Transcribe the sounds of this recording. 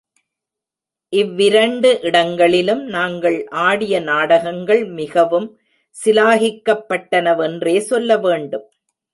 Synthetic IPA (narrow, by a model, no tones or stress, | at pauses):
ʔɪʋːɪɾɐɳɖɯʔɪɽɐŋɡɐɭɪlɯmnaːŋɡɐɭʔaːɽɪjɐnaːɽɐɣɐŋɡɐɭmɪɣɐʋɯm | sɪlaːɣɪkːɐpːɐʈːɐnɐʋɛndreːsɔlːɐʋeːɳɖɯm